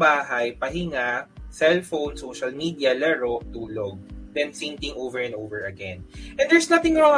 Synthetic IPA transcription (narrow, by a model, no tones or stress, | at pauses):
baːɦɐjpɐɦɪŋasɛlfownsowʃɐlmiːd̪iɐlɛɹoʔt̪uːloɡ̚d̪ɛnsint̪ɪŋʔowvɛɹɛ̃nd̪oːvɛɹɐɡɛ̰nʔɛ̃nd̪ɛɹsnɐθɪ̃ŋɹɔ